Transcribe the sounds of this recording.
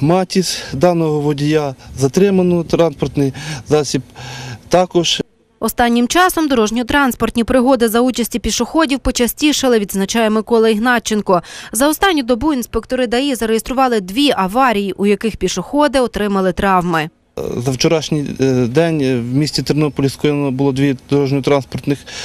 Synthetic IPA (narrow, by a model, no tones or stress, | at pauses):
mɑtʲisd̪ɑnɔɦɔʋɔdʲijazɐt̪ɾɪmɐnɔt̪ɾɑnspɔrt̪nɪjzɑsʲipt̪ɑkɔʒ | ɔst̪ɑnʲːɪmt͡ʃɑsɔmd̪ɔɾɔʒnʲiɔt̪ɾɑnspɔrt̪ʲnʲipɾɪɦɔd̪ɪzɐut͡ʃɐsʲtʲipʲiʃʊxɔdʲiwpɔt͡ʃɐsʲtʲiʃɪlˠɪʋʲid̪znɐt͡ʃɑjemɪkɔlˠɐiɦnɑt͡ʃːenkɔzɐɔst̪ɑnʲːʊd̪ɔbuinspekt̪ɔɾɪd̪ɐjizɐɾejest̪ɾʊʋɑlˠɪd̪ʋʲiʔɐʋɑɾʲijiʔujɐkɪxpʲiʃɔxɔd̪ɪɔt̪ɾɪmɐlˠɪt̪ɾɑwmɪ | zɐwt͡ʃɔɾɑʃnʲijd̪ɛnʲwmʲisʲt͡sʲit̪ɪɾnɔpɔlʲiskɔjnɔbʊlˠɔd̪ʋʲid̪ɔɾɔʒnʲɔt̪ɾɑnspɔrt̪nɪx